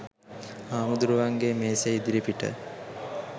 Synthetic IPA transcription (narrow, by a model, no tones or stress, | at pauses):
aːmud̪uɾuʋaŋɡemeːsejid̪iɾipiʈə̰